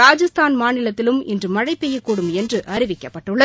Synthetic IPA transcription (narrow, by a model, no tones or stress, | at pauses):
aːd͡ʒɐst̪ʰaːnmaːnɪlɐt̪ːɪlɯmɪndrɯmɐɻɐɪpːɛjɐkːuːɽɯmɛndrɯʔɐɾɪʋɪkːɐpːɐʈːɯɭːɐ